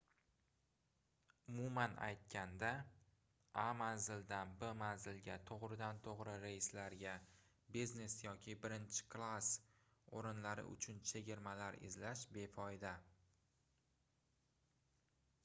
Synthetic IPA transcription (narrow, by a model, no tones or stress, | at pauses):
ʊmumana̰jt̪̚kʲʰand̪a | amanzɪld̪anbemanzɪlɡʲat̪ʰoʁɾɪd̪ant̪ʰoʁɾɪɾajɪslaɾɡʲa | bizne̞sjɒkʲʰɪbɪɾɪnt͡ʃʰɪ̥kʰlˠas | oɾɪnlaɾɪ̰ʔʊ̰t͡ʃʰʊnt͡ʃʰe̞ɡʲɪɾmalaɾɪ̰zlaʃbe̞fʰɒjd̪a